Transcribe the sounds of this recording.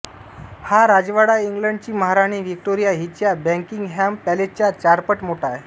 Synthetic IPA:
haɾad͡ʑʋaɽaiŋɡləɳɖ̚t͡ɕiːməɦaɾaɽ̃iːʋik̚ʈoɾijaɦit͡ɕjabɛ̃ŋkiŋɡɦampælet͡ɕjat͡ɕaɾpəʈmoʈaj

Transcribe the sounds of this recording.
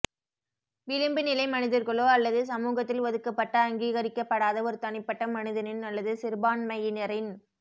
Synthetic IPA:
ʋɪlɪmbɯnɪlɐɪmɐnɪðɐɾɣɐɭoːɐlːɐðɯs̬ɐmuːɣɐt̪ːɪlʋɐðɯkːɐpːɐʈːɐːŋɡiːɣɐɾɪkːɐpːɐɽaːðɐɔɾɯt̪ɐɳɪpːɐʈːɐmɐnɯðɐnɪnɐlːɐðɯsɪɾbaːnmɐjɪnɪɾɐɪn

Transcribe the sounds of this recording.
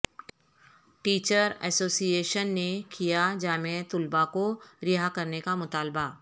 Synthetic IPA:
ʈiːt͡ʃəɾɛ̰ːsoːsijeːʃənːekijad͡ʒaːmet̪ʊlbakoɾɪɦakɐɾnekamʊt̪aːlba

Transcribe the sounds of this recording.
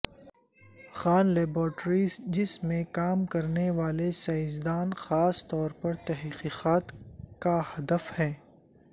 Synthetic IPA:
xaːnleːbɔːʈɾiːzd͡ʒɪsmẽkaːmkɐɾneʋaːlesɐɪzd̪aːnxaːst̪ɔːɾpɐɾt̪ɛɦqiːqaːt̪kahɐd̪əfhɛ̃ː

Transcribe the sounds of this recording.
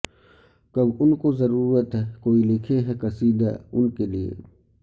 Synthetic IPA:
kɐbʊnkozɐɾuːɾət̪ɦɛkoːilɪkʰeɦɛkɐsiːd̪a̰ʊnkeliḛ

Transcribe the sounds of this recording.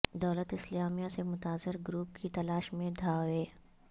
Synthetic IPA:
d̪ɐːlət̪ɪslaːmijasemʊt̪aːzɪɾɡɾuːpkit̪ɐlaːʃmẽd̪ʱaːeː

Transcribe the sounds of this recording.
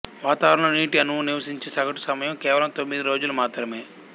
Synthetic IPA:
ʋaːt̪aːʋɐɾɐɳɐniːʈiɐnuuniʋɐsiɲt͡ʃeːsɐɡɐʈu̥sɐmɐjɐmkɛːʋɐlɐmt̪o̞mːid̪iɾo̞ːd͡ʒulumaːt̪ɾɐmeː

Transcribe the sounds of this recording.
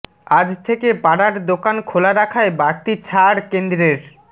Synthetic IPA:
ad͡ʑt̪ʰekepaɽaɾd̪okankʰolaɾakʰaebaɾt̪it͡ɕʰaɾkend̪ɾeɾ

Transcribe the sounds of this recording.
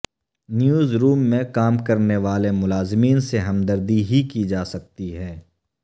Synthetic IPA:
njuːzɾuːmːẽkaːmkɐɾneʋaːlemʊlaːzmiːnseɦɐmd̪əɾd̪iɦikid͡ʒaːsɐk̚t̪iɦɛː

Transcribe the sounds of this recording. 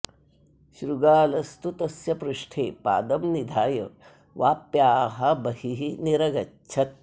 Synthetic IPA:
ʃɾuɡaːlɐst̪ut̪ɐsjɐpɾuʂʈʰeːpa̰ːd̪ɐmnid̪ʱaːjɐ̰ | ʋaːpjaːɦɐbɐhiɦiniɾɐɡɐtːt͡ʃʰɐt̪̚

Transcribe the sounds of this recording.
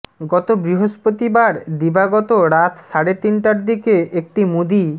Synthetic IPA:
ɡɔt̪obɾiɦoʃpot̪ibaɾd̪ibaɡɔt̪oɾat̪ʃaɾet̪inʈaɾd̪ikeek̚ʈimud̪i

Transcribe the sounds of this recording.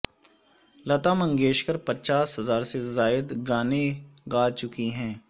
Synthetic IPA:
lɐt̪aːmə̃ŋɡeːʃkəɾpɐtːt͡ʃaːsɦɐzaːɾsezaːjəd̪ɡaːneɡaːt͡ʃʊkiɦɛ̃ː

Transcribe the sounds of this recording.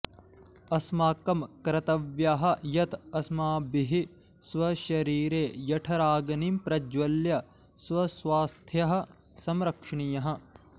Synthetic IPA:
ɐsmaːkɐmkɾɐt̪ɐʋjaɦɐ̆jɐt̪ɐsmaːbiɦi | swɐʃɐɾiːɾeːjɐʈʰɐɾaːɡɐnimpɾɐd͡ʒʋɐljɐ | swɐswaːst̪ʰjɐɦɐ̆ | sɐmɾɐkʂɐɳijɐɦɐ̆

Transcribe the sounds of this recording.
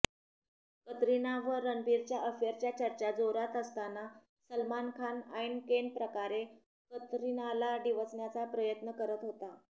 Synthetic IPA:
kət̪ɾinaʋəɾːənbiɾt͡ɕjaʔəfeɾt͡ɕjat͡ɕəɾt͡ɕad͡zoɾat̪əst̪ana | səlmankʰanajnkenpɾəkaɾe | kət̪ɾinalaɖiʋət͡sɳjat͡sapɾəjət̪nəkəɾət̪ɦot̪a

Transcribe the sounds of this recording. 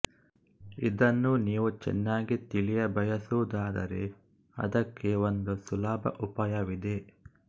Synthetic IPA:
id̪ɐnːuniːʋut͡ʃɛ̰nːaːɡit̪ilijɐbɐjɐsuʋud̪aːd̪ɐ̰ɾe̞̰ | ɐ̰d̪ɐkʰːe̞ond̪usulaːbɐ̰ʔupaːjɐʋid̪e̞

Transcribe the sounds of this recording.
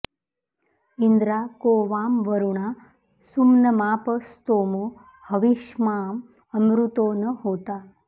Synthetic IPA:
ind̪ɾaːkoːʋaːmʋəɾuɳaː | sumnɐmaːpɐst̪oːmo | hɐʋiʃmaːm | ɐmɾut̪oːnɐɦoːt̪aː

